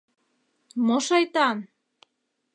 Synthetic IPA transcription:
moʃɑjt̪ɑn

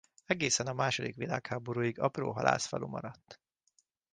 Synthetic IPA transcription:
ɛɡeːsɛnɒmaːʃod̪ikʋilaːkhaːboɾuːjiɡɒpro̰ːɦɒla̰ːsfɒ̰lumɒɾɒt̪ː

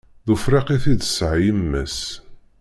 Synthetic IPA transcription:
ðufɾeqiθiðsʕjəmːəs

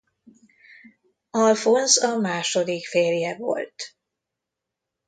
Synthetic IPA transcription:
ɒlfonzɒmaːʃod̪ikfeːrjɛvo̞̰lt̪

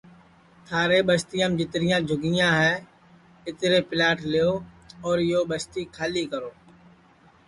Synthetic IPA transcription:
t̪ʰaːɾeːɓəst̪ijãːmd͡ʒɪt̪ɾɪjãːd͡ʒʱʊɡɪjãːɦɛː | ɪt̪ɾeːpɪlaːʈʰlɪjoː | ɔːɾɪjoːɓəst̪iːkʰaːliːkəɾoː

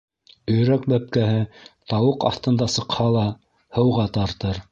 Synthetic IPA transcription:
ɵ̆jɾæk̚bæp̚kæɦɘt̪ɑwɤqɑ̰θt̪ɤ̆nd̪ɑsɤ̆qhɑlˠɑ | hɤ̆wʁɑt̪ɑɾt̪ɤɾ

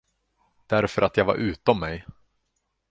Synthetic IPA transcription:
d̪̥æɾfœɾat̪jɑɡva̰ɾʔʉ̟ːt̪ɔmːɛj

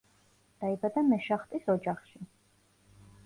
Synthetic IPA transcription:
d̪̥aibad̪amɛʃaχt̪ʼisɔd͡ʒaχʃi

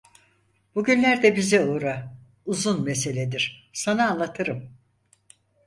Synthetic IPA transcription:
b̥uɟynlʲæɾd̪ɛbizɛuːɾa | uzunmese̞lʲed̪iɾ̥sanaːnlːˠat̪ʰɯɾɯm

